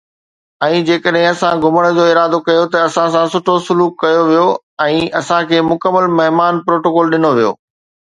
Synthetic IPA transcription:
ɛ̃ːd͡ʑeːkəɗɦɪ̃ɐsãɡʱʊməɽ̃ə̆d͡ʑoːɪɾaːd̪okɐjot̪ɐɐsãsãsʊʈʰosʊluːkːɐjoʋijo | ɛ̃ːɐsãkʰeːmʊkəmːəlmɐɦmaːnpɾoːʈoːkɔːlɗɪnoʋijo̰ː

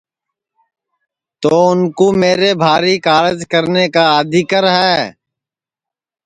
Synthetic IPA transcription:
t̪oːʊnkoːmeːɾeːbʱaːɾiːkaːɾɪd͡ʒkəɾneːkaːəd̪iːkəɾɦɛː

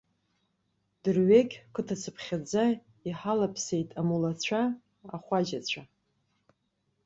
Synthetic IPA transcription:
d̥ɨrɥeɡʲkʰɨtʰat͡sʰɨpʰχʲad͡za | iħalapʰse̞jtʼamulat͡ɕʷʰa | aχʷad͡ʒat͡ɕʷʰa

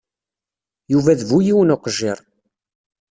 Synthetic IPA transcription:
juvæðvujiwənoqʒɪɾˤ

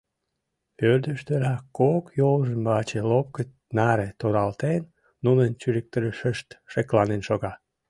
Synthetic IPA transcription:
pørd̪əʃt̪øɾɑkːokjolʒəmbɑt͡ɕelop̚kə | nɑɾet̪oɾɑlt̪enː | unənt͡ɕyɾek̚t̪əɾəʃəʃt̪ʃeklɑnenʃoɣɑ

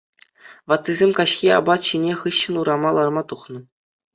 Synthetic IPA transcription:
ʋɑt̪ːizʲemʲkɑɕxʲiɑ̰bɑt̪ɕinʲeχɯɕːɤ̆nuɾɑmɑlˠɑrmɑt̪uχnɤ̆

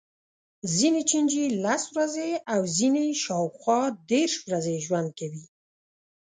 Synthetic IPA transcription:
zinet͡ʃind͡ʒilaswɾazeawzineʃɑwxwɑd̪eɾʃwɾazeʒwand̪̚kawi

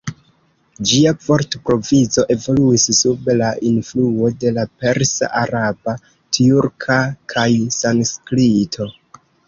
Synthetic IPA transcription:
d͡ʒiapo̞ɾtpɾo̞vizo̞ʔe̞vo̞luissubelaʔinfluo̞de̞lape̞ɾsa̰ʔaɾaba | tiuɾkʰakʰajsanskɾitʰo

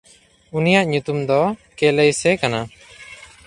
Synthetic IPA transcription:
unijaʔɲut̪umd̪ɔkɛlejsɛkana

